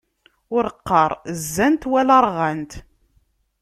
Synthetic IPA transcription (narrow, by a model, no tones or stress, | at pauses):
ʊɾəqːɑɾˤzːænt̪wælɑɾˤʁænt̪